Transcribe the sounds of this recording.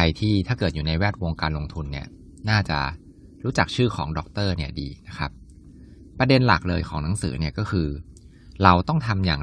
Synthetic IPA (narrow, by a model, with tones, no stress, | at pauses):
a˧jt̪ʰiː˥˩t̪ʰaː˥˩kɤː˨˩t̪̚juː˨˩na˧jwɛː˥˩t̪̚wo˧ŋkaː˧nlo˧ŋt̪ʰu˧nːi˥˩ɐ | naː˥˩t͡ɕa̰˨˩ | ɾuː˦˥t͡ɕa˨˩k̚t͡ɕʰɯː˥˩kʰɔ̰ː˩˦ŋdɔː˨˩k̚t̪ɤː˥˩ni˥˩ɐdḭː˧na˦˥kʰa˦˥p̚ | pːɾa˧de˧nla˨˩k̚lɤː˧jkʰɔ̰ː˩˦ŋna˨˩˦ŋsɯː˩˦ni˥˩ɐkɔː˥˩kʰɯː˧ | ɾa˧wt̪ɔ˥˩ŋt̪ʰa˧mjaː˨˩ŋ